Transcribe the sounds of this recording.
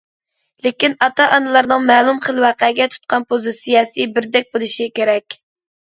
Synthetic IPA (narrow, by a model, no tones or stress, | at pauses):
lekʲinɑt̪ʰɑʔɑnɨlˠɑɾnɨŋmɛlˠumχəlˠwɑqɛɡʲɛt̪ʰu̥t̪̚qʰɑnpʰozɨsijɑːsibɪɾd̪ɛk̚ʲbolˠɨʃikʲeɾɛkʲ